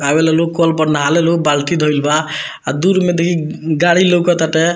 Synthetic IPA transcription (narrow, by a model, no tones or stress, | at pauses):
abelelokɔlpəɾnalelobalt̪ʰid̪ʱɔilbaː | d̪uɾmed̪ekʰiɡaɽilowkɔt̪aʈe